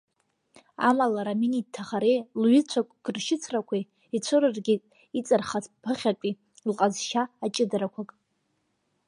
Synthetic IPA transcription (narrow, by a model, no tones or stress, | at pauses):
a̰malaɾaminid̚tʰaχaɾejlɥɪt͡ɕʷʰakʷʼɡ̥ɨrʃɪt͡sʰrakʷʰa | it͡ɕʷʰoɾɨrɡʲɪ | it͡sʼɨrχat͡sʰʼpʰɨχʲapʼi | lqʼazʃaːt͡ʃʼɪdaɾakʷʰakʼ